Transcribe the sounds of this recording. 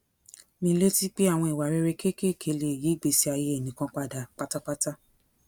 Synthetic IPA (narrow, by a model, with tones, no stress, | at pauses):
mĩ˧˦le˦ti˦k͡pi˦a˦˨w̃ɔ̃˧i˨wa˨ɾe˦˧˦ɾe˧ke˦ke˦˨kʰe˧˦le˧˨ji˨˦˨ɡ͡be˧˨si˦a˧je˧˦e˨nĩ˨kã˧k͡pa˧da˨k͡pa˦ta˦k͡pa˦ta˦